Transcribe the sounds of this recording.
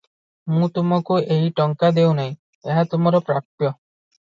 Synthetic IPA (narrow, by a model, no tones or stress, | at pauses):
mũt̪umakuejʈɔŋkad̪ewnaj | eɦat̪umɔɾɔpɾapjɔ